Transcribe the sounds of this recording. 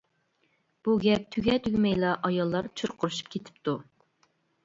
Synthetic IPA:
b̥uɡʲɛp̚t̪ʰyɡʲɛt̪ʰyɡʲmɛjlˠɑʔɑjɑlˠːɑɾt͡ʃʰuɾqʰʊɾuʃu̥p̚kʲʰet̪ʰɪ̥pt̪ʰu

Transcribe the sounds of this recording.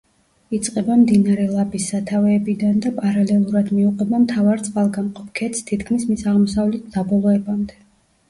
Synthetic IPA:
it̪sʼqʼɛbamd̪inaɾɛlˠabisːat̪ʰavɛːbid̪and̪apʼaɾalɛlˠuɾad̪miuqʼɛbamt̪ʰavaɾt̪sʼqʼalˠɡamqʼɔp̚ʰkʰɛt̪st̪ʰit̪kʰmismisaʁmɔsavlɛt̪̚ʰd̪̥abɔlˠɔɛbamd̪ɛ

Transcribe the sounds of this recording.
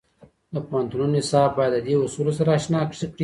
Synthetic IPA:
d̪əpoɦant̪unonɪsɑbbɑjad̪ːəd̪eusulosaɾaːʃnɑkʂəkɽi

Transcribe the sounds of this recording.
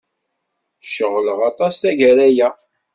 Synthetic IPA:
ʃəʁləʁɑt̪ˤɑsθæʝæɾæjæ

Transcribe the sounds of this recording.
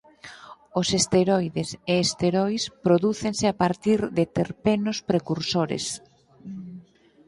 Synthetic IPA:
osest̪eɾɔjðeseːst̪eɾojspɾoðuθeŋsɪapaɾt̪iɾðet̪eɾpenospɾekuɾsoɾḛs

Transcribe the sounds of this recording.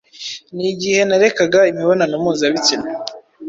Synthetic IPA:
niɟihe̞naɾe̞kaɡaimiβonanomuːzaβicine

